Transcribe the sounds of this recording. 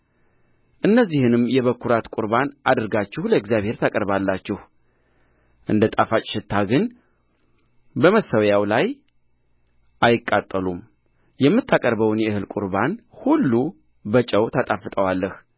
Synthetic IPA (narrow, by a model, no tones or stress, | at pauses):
ʔɨnːəzːihɨnɨmjɛβəkʰːuɾat̪kʼuɾbanʔad̪ɨɾɡat͡ʃːɪhləɨɡzjaβhe̞ɾt̪ʰəkʼəɾβalːat͡ʃːɪh | ʔɨnd̪ət̪ʼafat͡ʃʼʃɪt̪ʰːaɡɨn | bəməsəwjawlaj | ʔajɪkʼːat̪ʼːəlum | jɛmːɨt̪ːakʼəɾbəwnjɛɨhɨlkʷʼṵɾbanhulːu | bət͡ʃʼəwt̪ʰat̪ʼafɨt̪ʼəwalːəh